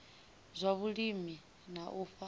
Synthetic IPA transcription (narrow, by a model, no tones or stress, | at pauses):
zʷaβuɺimi | naʔufa